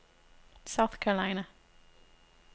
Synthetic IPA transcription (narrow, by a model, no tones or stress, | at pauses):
saʊθkʰɛɹəlaɪ̃nə